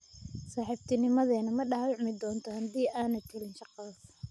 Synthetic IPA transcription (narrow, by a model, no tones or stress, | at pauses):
saːħiːbt̪ʰɪnɪmɐðɛːnɐmɐɗaːwɪʕmɪd̪ɔːnt̪ʰɔhɐd̪iːʔaːnɛt̪ʰɪlɪnʃɑqɑðɔ